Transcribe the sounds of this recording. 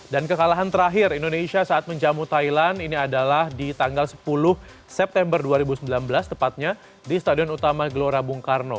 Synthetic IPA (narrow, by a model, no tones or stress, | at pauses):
dankəkalaɦant̪əɾaɦɪɾindonesiasaʔat̪̚məɲd͡ʒamut̪ajlaniniadalahdit̪aŋɡalsə̥pulʊh | sɛp̚t̪ɛmbərduaɾibusəmbilanbəlast̪əpat̪̚ɲa | dist̪adiɔnut̪amaɡloɾabuŋkarno